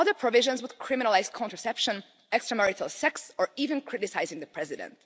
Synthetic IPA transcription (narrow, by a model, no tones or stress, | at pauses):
ʌðə˞pʰɹɔvɪʒɔ̃nzwʊd̪kʰɹɪmɪnalaɪzkʰɔ̃ntɹəsɛpʃɔ̃n | ɛkstɹəmɛɹɪtʰalˠsɛksɔɹivɨ̃nkʰɹɪɾɪsajzɪ̃ŋd̪əpʰɹɛzɪdɛ̰̃nt